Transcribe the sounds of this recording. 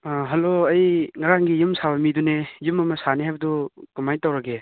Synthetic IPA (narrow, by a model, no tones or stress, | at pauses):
ɦɐloɐjŋɐɾaŋɡijumsabɐmidunejumɐmɐsaneɦajbɐdukumajtawɾɐɡe